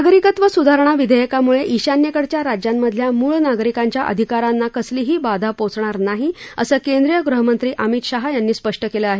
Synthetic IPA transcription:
aɡɾikət̪ʋəsud̪ʱaɾɳ̃aʋid̪ʱəjəkamuɭeʔiɕanjəkəɽt͡ɕjaɾad͡ʑjamːəd̪ʱljamuːɭnaɡɾikãɲt͡ɕjaʔə̰d̪ʱikaɾanːakəsliːɦiːbad̪ʱapot͡sɳ̃aɾnaɦiəsəːkend̪ɾijəɡɾuɦəmənt̪ɾiːʔəmit̪ɕaɦajanːiːspəʂʈəkeləaɦe

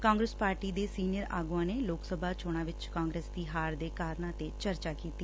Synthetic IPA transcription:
kãːŋɡɾeːspaːɾʈiːd̪eːsiːnɪjəɾa̰ːɡuãːneːloːksəbʱaːt͡ʃʰoːɽ̃ãːʋɪt͡ʃkãːŋɡɾeːsd̪iːɦaːɾd̪eːkaːɾnãːt̪eːt͡ʃəɾt͡ʃaːkiːt̪iː

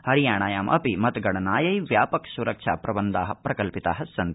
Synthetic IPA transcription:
hɐɾijaːɳaːjaːmʔɐ̰pimɐt̪ɡɐɽɐnaːjɐjʋjaːpɐksuɾɐkʂʰaːpɾɐbɐnd̪aːɦɐ̆pɾɐkɐlpit̪aːɦɐssɐnt̪

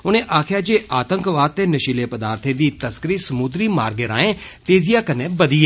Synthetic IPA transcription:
ʊnẽːʔaːkʰjaːd͡ʒeːʔaːt̪ə̃ŋkʋaːd̪̚t̪eːnəʃiːleːpəd̪aːɾt̪ʰeːd̪iːt̪əskəɾiːsəmʊd̪ɾiːmaːɾɡeɾa̰ːẽːt̪eːzijaːkənẽːbəd̪iːɛː

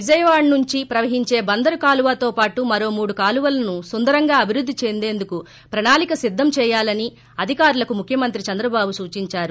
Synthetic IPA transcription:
ʋid͡ʒɐjʋaːɳnuɲt͡ʃipɾɐʋɐɦiɲt͡ʃe̞ːbɐnd̪ɐɾukaːluʋaːt̪o̞ːpaːʈumɐɾo̞ːmuːɽukaːluʋɐlɐnusund̪ɐɾɐŋɡaːɐbʱiɾud̪ʱːit͡ʃe̞nd̪e̞ːnd̪uku | pɾɐɳaːlikɐsid̪ʱːɐmt͡ʃɛːjaːlɐni | ɐd̪ʱikaːɾulɐkumukʰjɐmɐnt̪ɾit͡ʃɐnd̪ɾɐbaːbusuːt͡ʃiɲt͡ʃaːɾu

